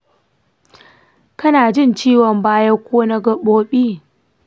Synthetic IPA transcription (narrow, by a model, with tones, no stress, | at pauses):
kɐ˦naː˨d͡ʒɪ˦˨nt͡ʃiː˦wɔ˨mbaː˦jɐ˦kʷoː˦na˦ɡɐ˦ɓoː˦ɓiː˦